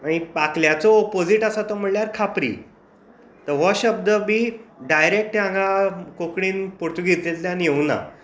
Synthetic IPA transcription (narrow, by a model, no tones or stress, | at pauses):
aɽ̃ipakljat͡sɔːpod͡ziʈasat̪ɔm̤əɽljaɾkʰapɾḭː | t̪əɾʋɔɕəb̚d̪əbiːɖajɾek̚ʈjãŋɡakokɽiːnpoɽt̪uɡʱet̪let̪lanijeuna̰